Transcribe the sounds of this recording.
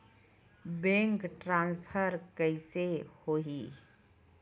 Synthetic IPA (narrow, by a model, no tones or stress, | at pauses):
bẽːŋkʈɾãːnspʰəɾkəisehoːɦi